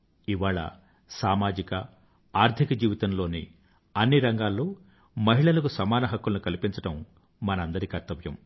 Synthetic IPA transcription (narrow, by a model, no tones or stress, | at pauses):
iʋaːɭɐ̰ | saːmaːd͡ʒikɐ | aːɾt̪ʰikɐd͡ʒiːʋit̪ɐnlo̞ːnḭ | ɐnːiɾɐŋɡaːlːo̞ː | mɐɦiɭɐlɐkusɐmaːnɐɦɐkːulɐnukɐlipiɲt͡ʃɐʈɐmː | ɐnɐɐnd̪ɐɾikɐɾt̪ːɐʋjɐm